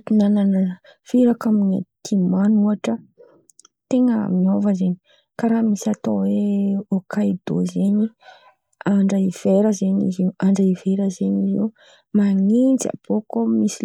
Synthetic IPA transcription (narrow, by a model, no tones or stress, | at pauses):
t̪inanana | fiɾakamina̰t̪ʰimanuaʈ͡ʂə | t̪eŋəmiovəzeɲi̥ | kaɾamisat̪oweokʰaid̪̥o̰zeɲi | aɳɖ͡ʐəiv̥eɾəzeɲḭzeaɳɖ͡ʐəiveɾəzeɲizḛ | maŋint͡sa̰b̥okomisi